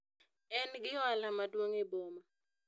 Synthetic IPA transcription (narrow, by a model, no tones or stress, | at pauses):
ɛnk̬iwalamatʼwoŋɛɓoːma